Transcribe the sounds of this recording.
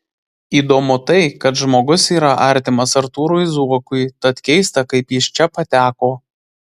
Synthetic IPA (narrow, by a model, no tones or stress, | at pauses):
iːd̪oːmʊt̪ɐɪkɐt̪ʒmoːɡʊsiːɾɐʔɐɾʲt̪ʲɪmɐsɐɾt̪uːɾuɪzuɔkʊjt̪ɐt̪kʲɛɪst̪ɐkɐɪpjɪʃt͡ʃʲɛpɐt̪ʲæːkoː